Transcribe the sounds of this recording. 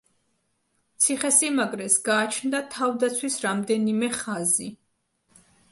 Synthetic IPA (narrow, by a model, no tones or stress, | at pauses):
t̪sʰiχɛsimaɡɾɛsɡaːt͡ʃʰnd̪at̪ʰavd̪at̪sʰwisɾamd̪ɛnimɛχazi